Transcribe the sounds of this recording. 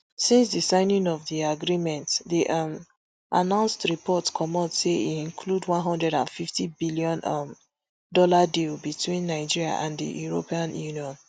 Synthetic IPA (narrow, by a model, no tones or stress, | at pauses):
sĩnsdisãɪ̃nĩŋɔvðiaɡɹimɛ̃ntðiʔm | ʔa̰nãʊ̃nstɹipʰɔtskʰɔmɔtseḭĩnkʰludwɔ̃nɦɔ̃ndɹɛɾã̰nfiftibiliɔ̃nm | dɔladilbitwĩnːaɪd͡ʒiɹia̰ʔãndḭjuɹo̰piãnjuniɔ̃n